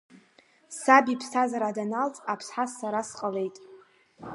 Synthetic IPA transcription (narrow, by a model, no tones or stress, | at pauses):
sabipʰsazaɾadanaltʼapʰsħasːaɾasqʼale̞jtʼ